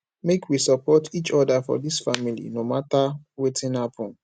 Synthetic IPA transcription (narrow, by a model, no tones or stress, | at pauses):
mekʰwisəpɔtʰit͡ʃɔdafɔ̰disfamilḭnomatawetʰĩnapʰɔ̃n